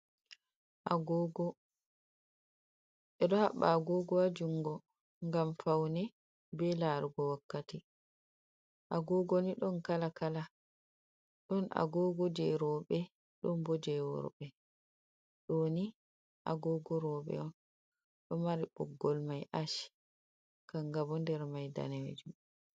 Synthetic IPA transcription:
ʔaɡɔɡɔ | ɛɗɔhaɓːaːɡɔɡɔwad͡ʒuŋɡɔ | ŋɡamfawnɛ | bɛlaɾuɡɔwakːati | ʔaɡɔːɡoniɗɔnkalakala | ɗɔnʔa̰ɡɔɡɔd͡ʒɛɾɔːɓɛ | ɗɔnbɔd͡ʒɛwɔ̰ɾbɛ | ɗoːni | ʔa̰ɡɔːɡɔɾɔɓɛ̰ɔn | ɗɔmaɾibɔ̰ɡːɔlmajʔaʃi̥ | kaŋɡabɔndɛɾmajda̰ned͡ʒum

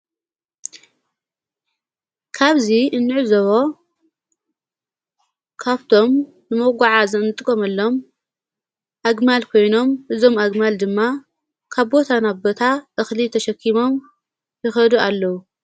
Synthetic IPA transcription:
kʰaβziʔɨnːɨʕzɐβo̞ | kʰaβt̪ʰo̞m | nɨmoɡʷaʕazɨnɨt̪ʼɨkʼomɐlːo̞m | ʔaɡmalkʰo̞jno̞mʔɨzo̞maɡmald̪ɨmːa | kʰaβbo̞t̪ʰanaβbo̞t̪ʰaʔɨxlit̪ʰɐʃɐkʰːimo̞m | jɨxɐd̪ualːɐwu

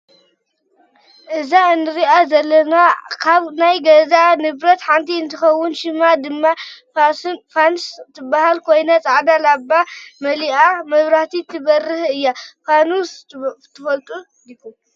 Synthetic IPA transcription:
ʔɨzaɨnːɨɾiʔazɐlːɐnakʰaβnajɡɐzanɨβɾɐt̪ħant̪ʰiɨnt̪ʰɨxɐwːʊnʃɨmad̪ɨmːafasfanst̪ʰɨbːahalkʰo̞jnat͡sʼaʕd̪alabːamɐliʔamɐβɾaht̪ʰit̪ʰɨβɐrːɨhɨjːafanust̪ʰːɨfɐlt̪ʼu | d̪ikːu

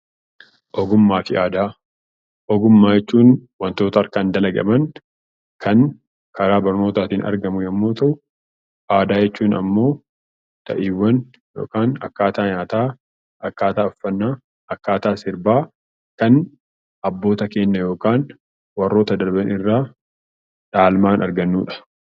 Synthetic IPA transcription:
ʔɔɡʊmːaːfɪʔaːd̪aː | ɔɡʊmːaːjɛt͡ʃːuːnwɐnt̪o̞ːt̪ɐɐɾkand̪ɐlɐɡɐ̰mɐn | kʰɐn | kʰɐɾaːbɐɾno̞ːt̪aːt̪iːnʔɐ̰ɾɡɐmʊjɐmːoːt̪ɐʔʊ | ʔaːd̪aːjɛt͡ʃːuːnɐ̰mːo̞ː | t̪ɐ̰ʔiːwːɐn | jo̞̰ːkaːnɐ̰kːaːt̪aːɲaːt̪aː | ɐkːaːt̪aːɔfːɐnːaː | ɐkːaːt̪aːsɪɾbaː | kɐn | ɐbːo̞ːt̪ɐke̞ːnːɐjo̞ːkaːn | wɐrːo̞ːt̪ɐd̪ɐɾbɐnɪrːaː | ᶑaːlmaːnʔɐɾɡɐnːuːᶑɐ̥

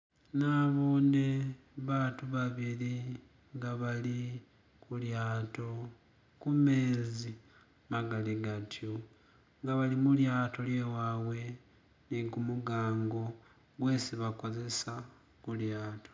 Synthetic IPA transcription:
naβoːne | βatuβaβili | ŋɡaβali | kuljaːto̞ | kume̞ːzi | maɡaliɡatjo | ŋɡaβalimuljaːto̞lje̞wawe̞ | niɡumuɡaːŋɡo̞ | ɡwe̞ːsiβako̞ze̞sa | kuljaːto̞̥

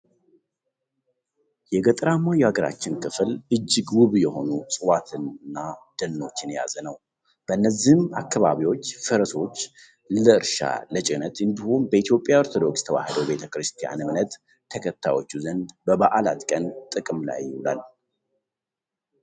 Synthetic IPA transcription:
jɛɡət̪ʼɾamajaɡəɾa̰t͡ʃːɪnkʰɨflɨd͡ʒːɪɡwʊβjɛho̞̰nusʼɨwat̪ʰɨnnːad̪̥ənːo̞t͡ʃːɪnja̰zənəw | b̥əʔɨnːəzihmakʰːaβaβiwo̞t͡ʃːfəɾəso̞t͡ʃː | ləɨɾʃa̰lət͡ʃʼɪnət̪ɨnd̪ihumbəit̪ʰijo̞pʼjaoɾt̪ʰo̞d̪o̞ksj̥t̪ʰəwa̰hɨd̪əwbe̞t̪ʰəkɾɨst̪ʰija̰nɨmnət̪ʰː | əkʰət̪ʰːajo̞t͡ʃːuzənd̪bəβaʔalat̪kʼənt̪ʼɨkʼɨmla̰jːɪhula̰l

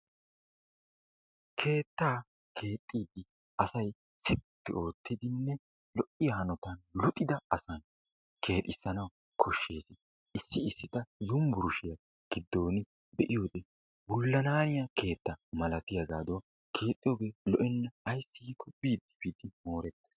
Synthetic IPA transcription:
kʰe̞ːt̪ːaː | kʰe̞ːt̪ʼːiːd̪ɪ | ʔɐsɐj | sɛt̪ːɪo̞ːt̪ʰːɪd̪ɪnːɛ | lɔʔɪjɐhɐnɔt̪ɐnlʊt̪ʼːɪd̪ɐɐsɐn | kʰe̞ːt̪ʼɪsːɐnɐw | kʰɔʃːe̞ːsɪ | ʔɪsːɪɪsːɪt̪ɐjʊmbʊɾʊʃɪjɐ | ɡ̥ɪd̪ːo̞ːnɪ | bɛʔɪjoːd̪ɛ | wʊlːɐnaːnɪjɐkʰe̞ːt̪ːɐmɐlɐt̪ɪjɐɡaːd̪o | kʰe̞ːt̪ʼːɪjobelɔʔɛnːɐːjsːɪːkːɔbiːd̪ːɪ̥biːd̪ɪmo̞ːɾɛt̪ːe̥ːs

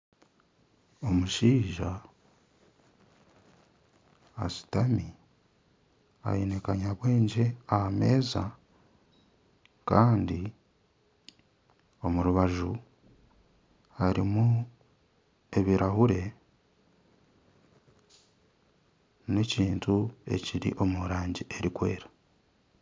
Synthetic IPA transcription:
o̞muʃiːʒa | si̥tami | a̰jene̞kaɲaβwe̞ːɲɟe̞ahame̞ːza | kaːndi | o̞muɾuβaʒu | aɾimu | e̞βiɾahuɾe̞ | ne̞ciːntue̞̰ciɾḭʔo̞muɾaːɲɟiʔe̞ɾikwe̞ːɾḁ

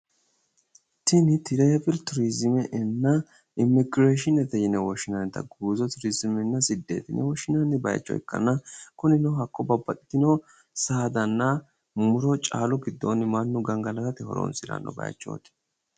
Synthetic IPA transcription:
t̪ɪnɪt̪ɪɾepɪlt̪ʊɾizɪmɛʔɛnːɐ | ɪmːɪɡɾeːʃ̬ɪnɛt̪ɛjɪnɛwɔʃːɪnɐnt̪ɐ̰ɡuːzɔt̪ʊɾizɪmɛnːɐsɪd̪ːḛːt̪ɪnʔɛ̰wɔʃːɪnɐnːɪbɐ̰j̰t͡ʃːɔ̰ɛ̰kːɐ̰nɐkʊnɪnɛɦɐkːɔbɐbːɐt̪ʼɪ̥t̪ɪno | saːd̪ɐnːɐ | mʊɾɔt͡ʃʼa̰ːlɔɡɪd̪ːo̰nːɪmɐnːʊɡɐŋɡɐlɐkɐt̪ɪhɔ̰ɾo̰ːnsɪɾɐ̰nːɔ̰bɐ̰j̰t͡ʃːo̰ːt̪ɪ̥

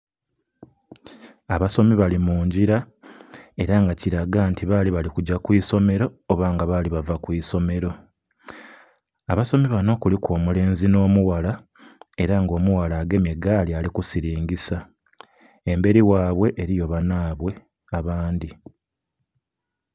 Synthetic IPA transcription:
aβaso̞miβalimuːɲɟiɾa | e̞ɾaŋɡaciɾaɡaːntiβaːliβalikuɟakwiːso̞me̞ɾo̞ːβaːŋɡaβaliβavakwiːso̞me̞ɾo̞ | aβaso̞miβano̞kulikwo̞ːmule̞ːnzino̞ːmuwala | e̞ɾaŋɡo̞ːmuwalaːɡe̞meɡaːlialikusiɾiːŋɡisa | embe̞ɾiwaːβwe̞ʔeɾijo̞βanaːβwe̞ | aβaːndi

